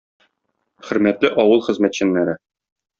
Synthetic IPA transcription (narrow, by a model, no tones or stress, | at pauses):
χɘ̆ɾmæt̪lɘʔɒwɤlˠχɘ̆zmæt̪ɕɘ̆nːæɾɘ